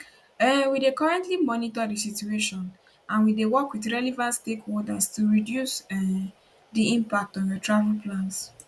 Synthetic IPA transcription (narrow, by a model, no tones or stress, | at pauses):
ɛwidekɔɹɛ̃ntlimɔnitadisitueʃɔ̃n | ãnwidewɔkwiθɹɛlivãntstekholdastuɹidjus | diĩmpak̚tɔ̃njɔtɹavɛlplãns